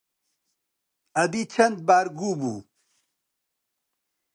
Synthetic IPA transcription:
ɐd̪it͡ʃʰɐnd̪̚baːɾɡuːbṵː

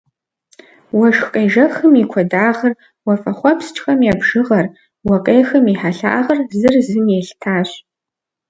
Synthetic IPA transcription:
wɐʃxqʼɐjʒɐxɨmikʷʰɔdaːʁər | wɐfɐχʷɔpʰst͡ʃʰʼxɐmjabʒɨʁɐr | wɐkʼejxɨmiħaɬa̰ːʁɐrzɨrzɨmjeɬtʰaːɕʼ

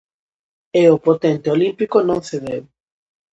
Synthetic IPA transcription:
eopot̪ẽnt̪eolĩmpikonõŋseðew

